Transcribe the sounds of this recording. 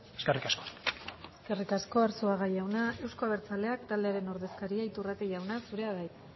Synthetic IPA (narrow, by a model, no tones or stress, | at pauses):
eskerikaskoeske̞rikasko̞aɾsuaɣajawnae̞wsko̞aβe̞ɾt͡sale̞akt̪ald̪eaɾe̞no̞ɾðe̞skaɾiait̪urat̪eʝawnasuɾe̞aβaj̪